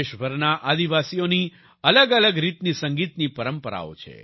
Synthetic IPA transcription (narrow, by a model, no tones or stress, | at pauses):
eʃʋəɾnaʔad̪iʋasijoni | ələɡələɡɾit̪nisə̃ŋɡit̪nipəɾəmpəɾa̰o̰t͡ʃʰḛ